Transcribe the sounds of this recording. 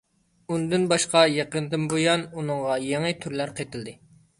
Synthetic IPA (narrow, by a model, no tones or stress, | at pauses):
und̪ɨnbɑʃqɑjeqənd̪ɨmbojɑnunɨɴʁɑjeŋɨt̪ʰyɾlæɾqʰet̪ʰɪld̪ɪ